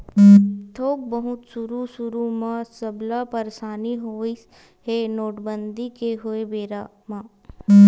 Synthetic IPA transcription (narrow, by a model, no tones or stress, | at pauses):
t̪ʰoːk̚bəɦʊt̪sʊɾusʊɾumãsəblapəɾsaːniɦoːi | ɦenoːʈbənd̪ikeɦoebeːɾaː | mãː